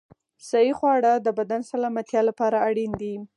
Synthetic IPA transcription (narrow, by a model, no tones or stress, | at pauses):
sajixwɑɽad̪əbad̪ansalɑmat̪jɑlapɑɾaːɽind̪i